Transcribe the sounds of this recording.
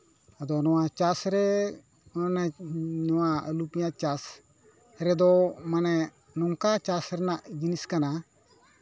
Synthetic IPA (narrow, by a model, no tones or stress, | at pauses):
əd̪ɔnɔwat͡ʃasɾɛ | ɔnɛnɔwaəlupijãt͡ʃas | ɾɛd̪ɔmanɛ | nɔŋkat͡ʃasɾɛnaʔd͡ʒiniskana